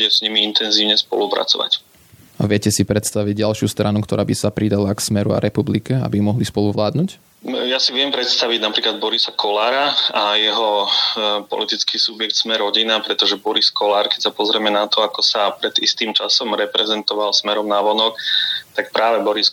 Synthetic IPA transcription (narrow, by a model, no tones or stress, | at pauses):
ɛz̥ɲimiint̪ɛnziːʊɲɛspɔ̰lupɾa̰t͡sɔ̰ʋa̰c | aʋɪɛcɛsipɾɛt̪st̪aʋiɟɟalʃɪust̪ɾanukt̪ɔɾaːbisapɾid̪alaksmɛɾṵa̰ɾɛpublikɛa̰bimɔɦlispɔluʋlaːd̪nuːc | jasiʋɪɛmpɾɛt̪st̪aʋiɟnapɾiːklad̪̚bɔɾisakʰɔlaːɾaajɛɦɔ | pɔ̰lit̪it͡skisubjɛkt̪smɛɾɔɟinapɾɛt̪ɔʒɛbɔɾiskɔlaːɾkɛcsapɔzɾɛmɛnat̪ɔakɔsapɾɛd̪ḭst̪iːmt͡ʃasɔmɾɛpɾɛzɛnt̪ɔʋalsmɛɾɔmnaʋɔnɔkt̪ak̚pɾaːʋɛbɔɾis